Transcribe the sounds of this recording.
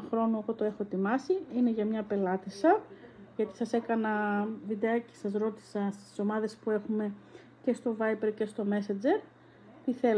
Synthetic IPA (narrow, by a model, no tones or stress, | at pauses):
xɾo̞noe̞ɣo̞t̪oe̞xo̞t̪imɐsiine̞ʝɐmɲɐpe̞lɐt̪isɐʝɐt̪i̥sɐse̞kɐnɐvid̪eɐce̥sɐzɾo̞t̪i̥sɐst̪i̥so̞mɐðe̞spue̞xume̞ | ce̞st̪o̞vɐjpeɾce̞st̪o̞me̞sɐd͡ze̞ɾ | t̪iθel